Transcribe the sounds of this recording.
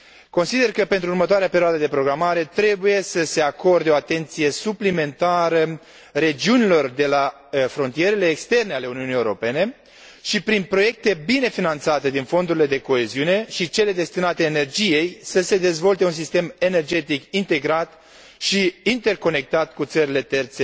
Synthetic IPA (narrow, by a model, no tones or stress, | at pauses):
ko̞nsid̪e̞rkəpe̞nt̪ɾuurmət̪oaɾeapeɾioad̪əd̪e̞pɾo̞ɡɾamaɾe̞t̪ɾe̞buje̞səse̞ako̞rd̪eo̞at̪e̞nt̪sije̞suplime̞nt̪aɾə | ɾe̞d͡ʒiunilo̞rd̪e̞la | fɾo̞nt̪ije̞ɾele̞ːkst̪e̞rne̞ale̞uniunijeuɾo̞pe̞ne̞ | ʃipɾinpɾo̞je̞k̚t̪e̞bine̞finant̪sat̪e̞d̪info̞nd̪uɾile̞d̪e̞ko̞e̞ziune̞ʃit͡ʃe̞le̞d̪e̞st̪inat̪eːne̞rd͡ʒije̞jsəse̞d̪e̞zvo̞lt̪e̞uns̬ist̪e̞me̞ne̞rd͡ʒe̞t̪ikint̪e̞ɡɾat̪ | ʃiint̪e̞rko̞ne̞k̚t̪at̪kut̪səɾile̞t̪e̞rt̪se